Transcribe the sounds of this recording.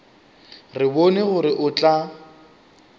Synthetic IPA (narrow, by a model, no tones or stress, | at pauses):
rɪbonɪɣʊɾɪʔʊt͡ɬʼa